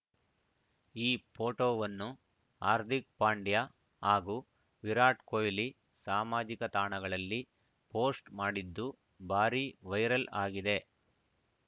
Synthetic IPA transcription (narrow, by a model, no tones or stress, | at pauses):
iːpʰoːʈoːʋɐnːu | aːɾt̪ik̚paːɳɖja | ɦaːɡuː | ʋiɾaːʈkoːjli | saːmaːd͡ʒikɐt̪aːɳɐɡɐɭɐlːi | poːsʈmaːɽid̪ːu | bʱaːɾiʋɐjɾɐlaːɡid̪e̞